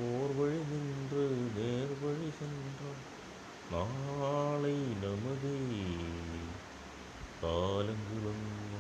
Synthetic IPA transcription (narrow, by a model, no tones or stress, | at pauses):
oːrbɐɻinind̪rɨneːrbɐɻit͡ɕendrɐm | naːɭɐnɐmɐði | kaːlɐŋɡiɭɐm